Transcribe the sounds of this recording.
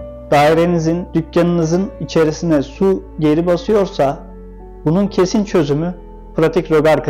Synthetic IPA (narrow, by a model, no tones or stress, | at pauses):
d̪̥aːiɾe̞nizind̪̥ycjanɯnɯzɯnit͡ʃʰe̞ɾisinɛsuɟe̞ɾibasɯjo̞ɾsa | bununcʰe̞sint͡ʃʰø̞zymy | pɾat̪ʰicɾo̞ɡaɾkʰ